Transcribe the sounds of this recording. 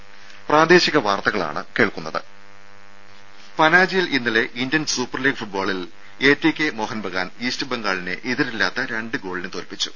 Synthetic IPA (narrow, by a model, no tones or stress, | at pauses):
praːd̪eːɕiɣɐʋaːrt̪ɐɣɐɭa̰ːɳɨ̰keːɭkunːɐðɨ | pɐnaːd͡ʑijilʔinːɐle̞ʔindjɐnsuːpːɐrliːɡfuʈ̚boːɭil | eːtːikʲːemo̞ːhɐnbʱɐɣa̰ːniːstɨbeŋɡaːɭinɨ̰ʔiðiɾilːaːt̪ːɐɾe̞ɳɖɨɡo̞ːɭinɨt̪o̞ːlpit͡ɕːu̥